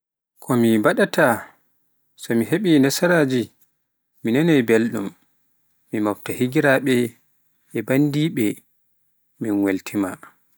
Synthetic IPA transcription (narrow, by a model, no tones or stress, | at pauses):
kʰɔmibaɗatʰa | sɔmiɦeɓinasaɾaːd͡ʒi | minanajbelɗumː | imɔwtahiɡiɾaɓɛ | ɛbandiːɓɛ | minweltʰima̰